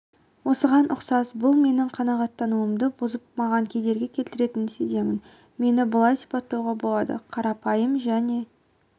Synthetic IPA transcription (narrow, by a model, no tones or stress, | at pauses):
wo̞səʁɑnʔʊqsɑsbʊlˠme̞nɪŋqʰɑnɑʁɑt̪ːɑnuəmd̪əbʊzəp̚mɑʁɑŋkʲʰe̞d̪e̞ɾɡʲe̞kʲʰe̞lt̪ɪɾe̞t̪ɪnɪseze̞mɪn | me̞nɪbəlˠɑjsi̥pɑt̪ːɑwʁɑbo̞lˠɑd̪ə̰qʰɑɾɑpɑjəmʒæne̞